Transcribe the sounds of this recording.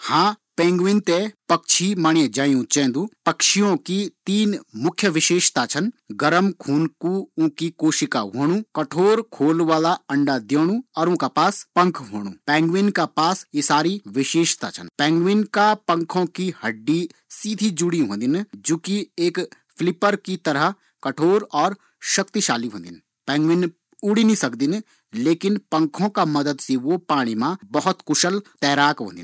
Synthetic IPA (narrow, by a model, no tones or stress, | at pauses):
hãːpẽːŋɡʋɪnt̪epɐkʃʰimaːɳẽd͡ʒaːjũt͡ʃɛ̃ːnd̪uːpɐkʃijõkit̪iːnmʊkʰjəʋɪʃeːʃt̪at͡ʃʰɐnɡɐɾəmkʰuːnkuʊ̃kikoːʃɪka̰ɦoːɽ̃ũkɐʈʰoːɾkʰoːlʋaːlaɐ̃ɳɖad̪joːɽ̃ũɔːɾʊ̃ːkapaːspɐ̃ŋkʰɦoːɽ̃ṵ̃ːpɛ̃ːŋɡʋɪnkapaːsjesaːɾiʋɪʃeːʃt̪a̰ːt͡ʃʰə̰npɛ̃ːŋɡʋɪnkapə̃ŋkʰõːkihəɖːisiːd̪ʱid͡ʒʊɽiːɦõːnd̪ɪnd͡ʒoːkieːk | pʰlɪpəɾkit̪əɾə | kəʈʰoːɾɔːɾ | ʃəkt̪iʃaːliːɦõ̰ːnd̪ɪn | pɛ̃ːŋɡʋɪn | ʊɽinĩsəkd̪ɪn | leːkɪnpə̃ŋkʰõːkaːməd̪əd̪siʋopaːɽ̃iːmãːbəɦʊt̪kʊʃəlt̪ɛːɾaːkɦõ̰ːnd̪ɪ̰